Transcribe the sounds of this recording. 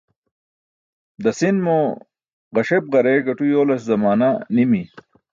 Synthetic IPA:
d̪ɐsinmo | ʁɐɕeb̚ʁɐɾeːɡɐʈujoːlɐszɐmaːnanimi

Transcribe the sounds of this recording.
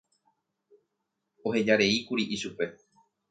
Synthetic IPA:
o̞he̞d͡ʒaɾe̞ikuɾiʔiʃupe̞

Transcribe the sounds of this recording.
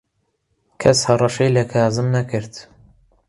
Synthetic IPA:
kʰɛshɑrˤɑʃejlɐkʰaːzɨmnækʰɨɾt̪

